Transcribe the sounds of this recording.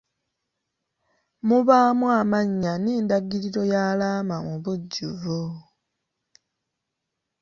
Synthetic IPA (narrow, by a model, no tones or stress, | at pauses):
muβaːmwaːmaɲːaniːndaɡiɾiɾo̞jaːlaːmamuβuɟːuvo